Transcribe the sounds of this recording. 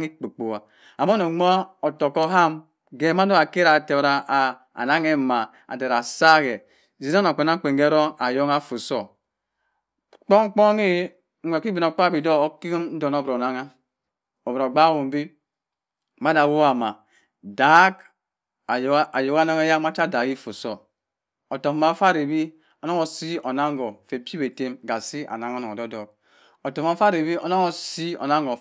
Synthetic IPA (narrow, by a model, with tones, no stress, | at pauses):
ŋi˦k͡pu˨k͡po˨wa˨ | a˨mo˦no˨˦m˦ɔ˦˨to˨kɔ˦ɦa˦m | ɡe˨˦ma˦do˦a˨ke˦ɾa˨te˨ɾa˦ʔ | a̰˨na˦ŋɛ˦˨ma˨ | a̰˨de˨ɾa˨sa˦ɣɛ˨ | zi˨na˦na˨k͡po˨na˦k͡pe˨ŋɡe˦ɾo˦a˨jo˦ŋa˦fu˨so˨ | k͡po˦ŋ˦k͡po˦ŋi˦ | e˨ki˦bi˨no˨k͡pa˦˨bi˨do˦o˦ki˦mn̩˦do˨no˦bɾo˨na˦ŋa˦ | o˨bo˨ɡ͡ba˦wu˨m˦bi˦ | ma˦da˨wo˦wa˨ma˨ | da˨˦k | a˨jo˨ka˦na˦ŋa˦ja˦ma˦t͡ʃa˦da˨ki˦fo˨so˦ | o˨to˨m˨ma˨˦fa˦ɾe˨bi˦ | o˦no˦ŋo˨si˦o˨na˦ŋ˦ɡɔ˨fe˨pi˦be˨te˦mɡa˨si˦a̰˨na˦ŋ˦o˦nɔ˨ɔ˨dɔ˦dɔ˨k̚ | o˨to˨m˦a˨˦fa˦ɾe˨bi˦o̰˦no˦ŋo˨si˦o̰˨na˦ŋɡɔ˨